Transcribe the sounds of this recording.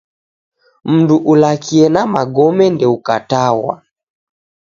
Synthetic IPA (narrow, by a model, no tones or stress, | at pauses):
m̩nduʔulakiɛnamaɡɔmɛndɛukatawa̰